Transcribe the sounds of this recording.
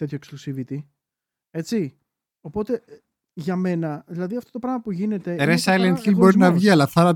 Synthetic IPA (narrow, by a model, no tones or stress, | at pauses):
t̪e̞t̪çoeksklusivit̪i | e̞t͡si | o̞po̞t̪e̞ | ʝɐme̞nɐðilɐðiɐft̪o̞t̪opɾɐɣmɐpuʝine̞t̪e̞ɾesɐelent̪çilbo̞ɾinɐvʝiɐlɐθɐɾɐ